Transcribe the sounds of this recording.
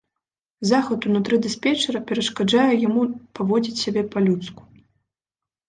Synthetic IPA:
zaxɐt̪unut̪ɾɨd̪ɨspʲɛt͡ʂɐɾɐpʲɛɾɐʂkad͡ʐajɛjamupavɔd͡zʲit͡sʲsʲabʲɛpalʲut̪sku̥

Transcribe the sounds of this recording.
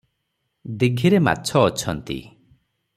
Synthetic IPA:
d̪iɡʱiɾema̰tt͡ʃʰɔːt͡ʃʰɔnt̪ḭ

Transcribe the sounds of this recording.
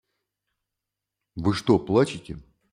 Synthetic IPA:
vɨʂt̪oplˠat͡ɕɪtʲɪ

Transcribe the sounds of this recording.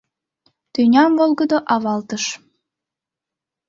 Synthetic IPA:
t̪ynʲɑmvolˠɡɤ̆d̪oʔɑβɑlt̪ɤ̆ʃ

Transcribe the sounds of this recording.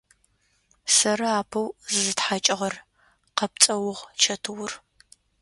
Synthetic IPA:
sɐɾɐaːpʰɐwzzɨtħaːt͡ʃʼɪʁɐr | qɐp̚t͡sʼɐwʊʁt͡ʃʰɐtʰɨwʊr

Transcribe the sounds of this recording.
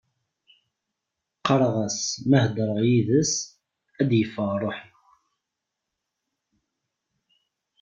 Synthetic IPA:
qːəɾˤʁæsmæhd̪ɾˤəʁjiðəs | æd̪jəfːəʁrˤoħn

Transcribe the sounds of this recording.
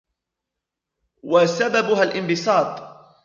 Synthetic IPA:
wasababʊɦalʔɪmbɪsˤɑːt̪ˤ

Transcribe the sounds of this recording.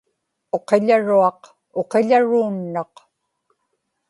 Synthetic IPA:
o̞qeʎaɻuɑq | o̞qeʎaɻuːnːɑq

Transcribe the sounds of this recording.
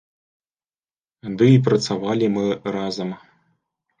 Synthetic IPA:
d̪ɨip̬rɐt̪savalʲimɨrazɐm

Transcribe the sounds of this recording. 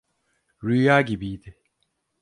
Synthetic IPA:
ɾyjaːɟibijd̪ɪ

